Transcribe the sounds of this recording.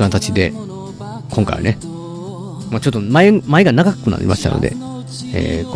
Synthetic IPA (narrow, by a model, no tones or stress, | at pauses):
ãnt̪at͡ɕid̪e̞ | kʰõ̞ŋka̰jβa̰ne | mat͡ɕo̞t̪ːomaemae̞ɡanaɡakɯ̟na̰ɾʲʔḭmʔa̰ɕi̥t̪a̰no̞̰d̪e̞̰ | ḛːk